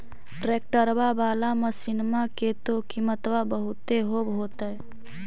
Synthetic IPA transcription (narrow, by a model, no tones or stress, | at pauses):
ʈɾeːk̚ʈəɾbabaːlamə̃sɪnmaket̪okimət̪ʋabəɦʊt̪eɦobʱɦoːt̪ə